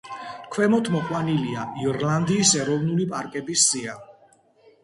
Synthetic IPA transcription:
kʰwɛmɔt̪ʰmɔqʼwaniliaʔiɔɾland̪iːsɛɾɔvnulipʼaɾkʼɛbisːia

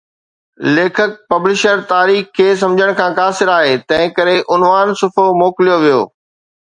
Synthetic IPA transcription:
leːkʰək̚pɐblɪʃəɾt̪aːɾiːxkʰːeːs̬ɐ̃md͡ʑʱəɽ̃kʰãːkaːsɪɾaːɦeːt̪ɐ̃ɦɪ̃kɐɾeʔʊnʋaːnsʊfomoːkɪlijoʋijo̰ː

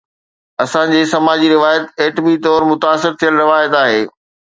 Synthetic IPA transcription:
ɐsãd͡ʑeːsɐmaːd͡ʑiɾɪʋaːjət̪eːʈbit̪ɔːɾmʊt̪aːsɪɾt̪ʰijəlɾɪʋaːjət̪aːɦeː

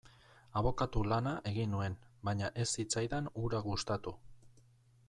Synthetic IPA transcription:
aβo̞kat̪ulanaʔe̞ɣinue̞nbaɲaʔe̞sːit͡sajðanuɾaɣust̪at̪u

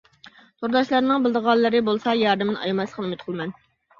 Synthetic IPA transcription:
t̪ʰoɾd̪ɑʃlˠɑɾnɨŋbɪlˠd̪əʁɑlˠːɨɾɪbolˠsɑjɑɾd̪ɪmɪnʔɑ̰jmɛslˠəqʰənˠɨmɪt̪qʰlˠmɛn

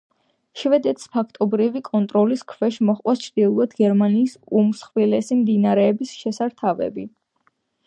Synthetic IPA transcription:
ʃvɛd̪ɛt̪ʰspʰakʰt̪ʼɔbɾivikʼɔnt̪ʼɾɔliskʰvɛʃmɔχʼwast͡ʃʰɾd̪̥iulˠad̪ɡɛɾmaniːsumsχwilɛsimd̪inaɾɛːbisʃɛsaɾt̪ʰavɛ̰bi

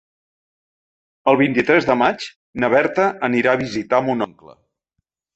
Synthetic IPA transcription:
əlˠβ̞int̪it̪ɾɛzðəmat͡ʃ | nəβɛrt̪əːniɾaəβ̞izit̪amunɔŋklə̰

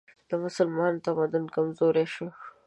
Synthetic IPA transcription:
d̪̥əmʊsʊlmɑnt̪amad̪ʊnkamzoɾeʃo

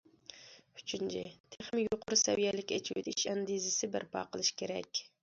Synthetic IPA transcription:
y̥t͡ʃʰynt͡ʃʰɪt̪ʰeχmɪjoqʰʊɾusɛ̰wijɛlɪkʲet͡ʃʰt̪iʃɛnd̪izɪsɪbɪɾpʰɑ̰qəlˠɨʃkʲeɾɛ̰kʲ

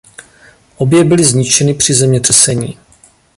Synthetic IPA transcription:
ʔo̞bjɛbɪlɪzɲɪt͡ʃɛnɪpr̥ɪzɛmɲɛt̪r̥ɛsɛɲḭː

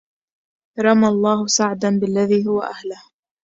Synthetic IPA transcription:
ɾˤɑmalˤːɑːhʊsaʕd̪anbɪlːaðiːɦʊwa̰ʔahlʊh

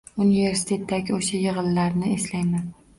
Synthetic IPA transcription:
unive̞ɾsɪ̥t̪ʰe̞t̪ʰːaɡʲɪoʃajɨʁɨllaɾnɪeslajman

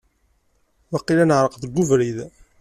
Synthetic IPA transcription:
wɑqːilænəʕɾˤəqðəɡʷːuvɾið

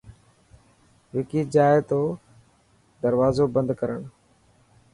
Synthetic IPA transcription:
ʋɪkiːd͡ʒaːɪt̪oː | d̪əɾʋaːzoːbə̃nd̪kəɾəɳ̃

